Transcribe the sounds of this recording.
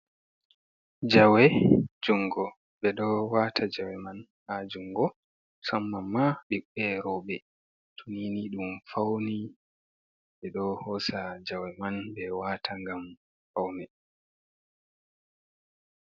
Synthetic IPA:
d͡ʒawɛd͡ʒuŋɡɔ | ɓɛɗɔwatʰad͡ʒawɛman | had͡ʒuŋɡɔ | samːamaɓiɓɛɾɔɓɛ | tʰuniːniɗumfawni | ɓɛɗɔhɔsad͡ʒawɛmanbɛwaːtʰaŋɡam | fawnɛ

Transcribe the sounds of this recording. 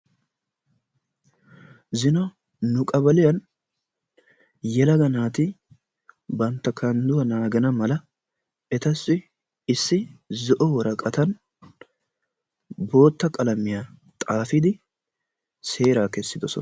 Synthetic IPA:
zɪnɔ | nʊkʼɐbɐlɪjɐn | jɛlɐɡɐnaːt̪ɪ | bɐnt̪ːɐkʰɐnd̪ʊwɐnaːɡɐnɐmɐlɐ | ɛt̪ɐsːɪ | ɪsːɪzɔʔɔwɔɾɐkʼɐt̪ɐn | bo̞ːt̪ːɐkʼɐlɐmɪjat̪ʼaːfɪd̪ɪ | se̞ːɾaːkɛsːɪd̪ɔsɔ̰n

